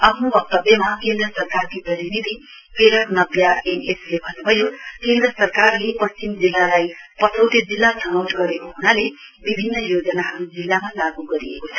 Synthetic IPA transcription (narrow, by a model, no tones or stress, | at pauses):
ʌpʰnubʌk̚t̪ʌbjʌmakend̪rʌsʌrkarkiprʌɾinid̪ʱi | peɾʌknʌbjaeneslebʱʌnubʱʌjokend̪rʌsʌrkarlepʌst͡ɕimd͡zilːalajpʌsʰʌwt̪ed͡zilːasʌnawʈɡʌɾekoɦunale | bibʱinːʌjod͡zʌnaɦʌɾud͡zilːamalaɡuɡʌɾḭḛkot͡sʰʌ̥